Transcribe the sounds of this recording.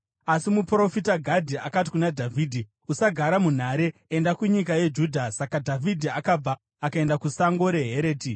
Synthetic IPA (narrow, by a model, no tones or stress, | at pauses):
asimupro̞fitaɡʱadʱiakati̥kunadʱavʱiːdʱi | usaɡʱaɾamun̤aːɾe̞endakuɲik̬aje̞d͡ʒuːdʱasakadʱavʱidʱiakab͡vaː | kae̞ndakusaŋɡo̞ɾe̞ɦe̞ɾeːti